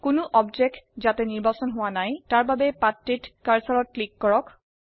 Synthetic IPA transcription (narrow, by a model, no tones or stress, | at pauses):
kʊnʊʔɔbzɛk̚tzatɛniɹbasɔnɦʊwanajtaɹbabɛpatːitkaɹsɔɹɔt̚klikːɔɹɔk